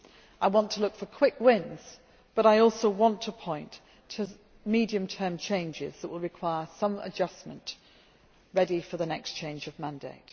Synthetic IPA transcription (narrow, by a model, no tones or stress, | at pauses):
ʔaɪwɒ̃ntʰəlʊkfəkʰw̥ɪkwɪ̃nz̥ | b̥ʌɾaɪɔˑlˠsoʊwɒ̃ntʰəpʰɔ̃ɪ̃ntʰ | ə | midiɨ̃mtʰɜːmt͡ʃʰẽɪ̃nd͡ʒɪ̰zðəʔwɪlˠɹɨkʰw̥aɪəsʌ̃mə̰d͡ʒʌsmə̃nʔ | ɹɛɾifəðənɛkst͡ʃʰẽɪ̃nd͡ʒəvmæ̃ndeɪt